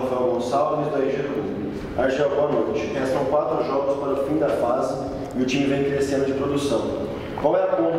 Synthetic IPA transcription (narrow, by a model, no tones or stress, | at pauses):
fɛwɡõsavʊnizd̪aiʒeɾũ | aɾʒɛwbõɐnojt͡ʃɪ̥ɦɛ̃sɐ̃w̃kwat̪ɾʊʒɔɡʊspaɾɐʊfĩd̪ɐfazɪ | ɪʊt͡ʃĩmɪvẽj̃kɪɾesẽnʊd͡ʒɪpɾod̪usɐ̃w̃ | kwawɛɐkõ